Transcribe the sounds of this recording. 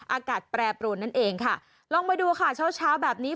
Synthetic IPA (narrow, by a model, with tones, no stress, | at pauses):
ʔaː˧kaː˨˩t̪̚pɾɛː˧pɾu˧nːa˦˥nʔeː˧ŋkʰa˥˩ | lɔː˧ŋma˧jduː˧kʰa˥˩t͡ɕʰaː˦˥wt͡ɕʰaː˦˥wbɛː˨˩p̚niː˦˥